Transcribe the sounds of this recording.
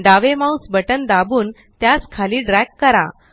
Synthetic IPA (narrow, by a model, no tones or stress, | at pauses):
ɖaʋemausbəʈənd̪abuːn | t̪jaskʰaliːɖɾɛkːəɾa̰